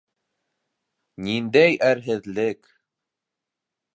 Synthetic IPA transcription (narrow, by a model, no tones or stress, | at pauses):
nind̪æjʔæɾɦɘ̆ðlɘk